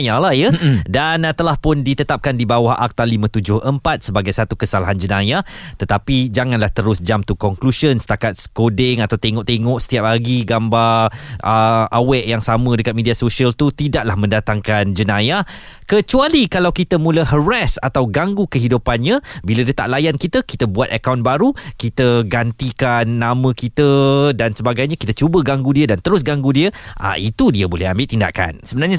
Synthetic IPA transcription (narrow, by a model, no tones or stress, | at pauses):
jalahjədant̪əlahpʊndit̪ət̪ap̚kandibawahʔa̰k̚t̪alimə̃t̪ud͡ʒʊhʔəmpat̪̚səbaɡajsat̪ukəsalaɦand͡ʒənajat̪ət̪apid͡ʒaŋãnlaht̪əɾʊsd͡ʒamt̪ukɔŋkluʃənsə̥t̪akat̪̚skodɛŋat̪awt̪eŋɔʔt̪eŋɔʔsə̥t̪iap̚laɡiɡambaʔəʔawɛʔjaŋsamə̃dəkat̪̚mediasoʃiəlt̪ut̪idaʔlahmə̃ndat̪aŋkand͡ʒənaja | kət͡ʃualikalawkit̪əmũləɦəɾasa̰t̪awɡaŋɡukəɦidupanɲãbiladiət̪a̰ʔlajankit̪əkit̪əbuat̪akawnbaɾukit̪əɡant̪ikanːamə̃kit̪ədansəbaɡajɲãkit̪ət͡ʃubəɡaŋɡudiədant̪əɾʊs̬ɡaŋɡudiəʔa̰ʔit̪udiəbolɛhambɪʔt̪inda̰ka̰nsəbənarɲa